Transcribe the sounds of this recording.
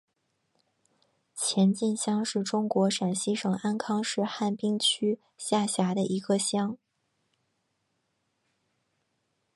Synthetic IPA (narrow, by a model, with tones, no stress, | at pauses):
t͡ɕʰjɛ˧˥nt͡ɕi˥˧nɕjɑ˥ŋʂɻ̩˥˩ʈ͡ʂʊ˥ŋkwɔ˧˥ʂa˨˩nɕi˥ʂɤ˨˩ŋa˥nkʰɑ˥ŋʂɻ̩˥˧xa˥˩npi˥ŋt͡ɕʰy˥ | ɕja˥˩ɕja˧˥d̪ə˧ʔi˧˥ɡ̥ə˧ɕjɑ˥ŋ